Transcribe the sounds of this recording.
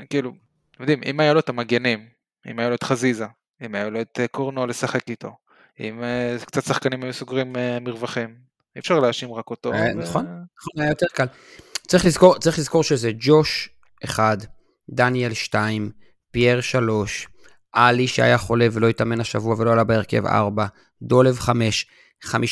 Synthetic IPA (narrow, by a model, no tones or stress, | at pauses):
kiːlu | t̪omd̪imḭmajaloet̪amaɡenim | ḭmajaloet̪χaziza | imajaloet̪ekoʁnole̞saχekit̪o̞ | ḭmekt͡sat̪saχkanimajusoɡʁimemiʁvaχim | iefʃaʁleaʃimʁakot̪oanaχo̞nnaχonajajot̪eʁkal | t͡sʁiχlizko̞ʁtt͡saʁiχlizko̞ʁʃezed͡ʒo̞ʃ | ʔeχad̪ː | anielʃtaim | pieʁʃalo̞ʃ | ʔaliʃea̰jaχo̞le̞velojitame̞naʃavuavelo̞alabeeʁke̞̰va̰ʁba | d̪o̞levχame̞ʃ | χami